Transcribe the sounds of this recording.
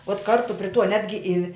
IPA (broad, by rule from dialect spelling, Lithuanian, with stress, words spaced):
uɔt ˈkɐrtʊ pʲrʲɪ tuɔ ˈnʲæːdʲɡʲɪ ɪ